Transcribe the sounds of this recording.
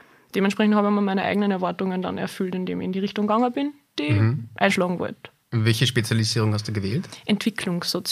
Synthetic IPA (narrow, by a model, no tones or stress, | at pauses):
d̥eːmɛntʃpʁɛçnthɑːbəmimæɪnəʔæ̰ɪɡənənɛɐvaɐtʊŋənda̰nɛ̰ɐfʏltɪndḛːmɪçɪndiːʁɪçtʊŋɡaŋəbɪn | d̥iʔæɪnʃlɑːɡŋ̩vɔ̰lt | vɛlçəʃpet͡sjaliziːʁʊŋhast̚d̥uːɡəveːltʔɛntv̥ɪkʰlʊŋsːot͡s